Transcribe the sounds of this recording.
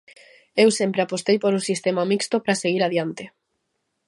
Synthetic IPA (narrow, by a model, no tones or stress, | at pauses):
ewsempɾeapost̪ejpoɾusist̪emamikst̪opɾaseɣiɾaðjant̪ɪ